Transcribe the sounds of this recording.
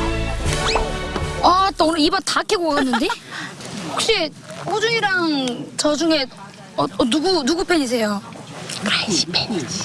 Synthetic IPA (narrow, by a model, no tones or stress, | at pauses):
at͈onɯibatakʰeɡoɡʌɡanːɯnde | hok̚ɕ͈i | hod͡ʑuiɾaŋt͡ɕʌd͡ʑuŋe̞ | ʌnuɡunuɡupʰeɲis̬ʰe̞jo | kɾaipʰeɲi